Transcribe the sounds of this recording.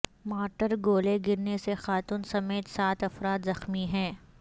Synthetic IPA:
maːʈəɾɡoːleɡɪɾnesexaːt̪uːnsɐmeːt̪saːt̪ɐfɾaːt̪zɐxmiɦɛ̃ː

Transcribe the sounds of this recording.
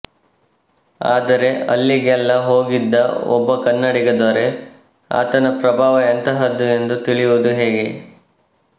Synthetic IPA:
aːd̪ɐɾe̞ɐ̰lːiɡɛlːɐɦoːɡid̪ːɐɔ̰bːɐkɐnːɐɽiɡɐd̪oɾe̞ | a̰ːt̪ɐnɐpɾɐbʱaːʋɐent̪ɐɦɐd̪ːue̞nd̪ut̪iɭijud̪uɦe̞ːɡe

